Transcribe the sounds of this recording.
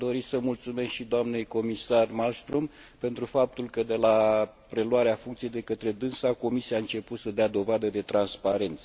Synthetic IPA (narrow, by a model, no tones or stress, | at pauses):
d̪o̞ɾisəmult̪sume̞skʃid̪oamne̞jko̞misarmalst̪ɾum | pe̞nt̪ɾufap̚t̪ulkəd̪e̞la | pɾe̞lwaɾeafuŋkt̪sijejd̪e̞kət̪ɾe̞d̪ɨnsako̞misiaɨnt͡ʃe̞put̪səd̪ead̪o̞vad̪əd̪e̞t̪ɾanspaɾe̞nt̪sə̥